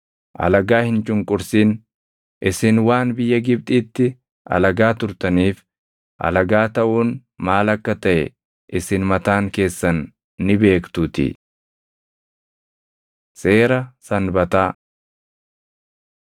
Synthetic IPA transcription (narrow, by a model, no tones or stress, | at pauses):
ʔɐ̰lɐɡaːhɪnt͡ʃʼʊŋkʼʊɾsiːn | ʔɪsɪnwaːnbɪjːɐɡɪb̚t̪ʼiːt̪ːɪ | ʔɐ̰lɐɡaːt̪ʊɾt̪ɐniːf | ʔɐ̰lɐɡaːt̪ɐʔuːn | maːlɐkːɐt̪ɐʔɛ̰ | ʔɪsɪnmɐt̪aːŋke̞ːsːɐnː | ɪbe̞ːkt̪ut̪ɪ̰ | se̞ːɾɐsɐnbɐt̪aː